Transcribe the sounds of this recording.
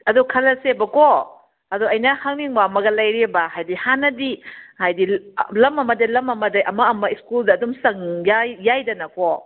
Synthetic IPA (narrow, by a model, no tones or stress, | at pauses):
ɐdukʰɐlɐsebɐko | ɐduɐjnɐhaŋniŋbaɐmɐɡɐlɐjɾebɐhajdihanɐdihajdilɐmɐmɐdɐjlɐmɐmɐdɐjʔɐmɐɐmɐiskuldɐːdumsɐŋjajjajdɐnɐko